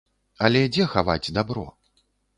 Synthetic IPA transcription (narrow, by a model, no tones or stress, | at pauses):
ɐlʲɛd͡zʲɛxava̰d͡zʲd̪abɾɔ̰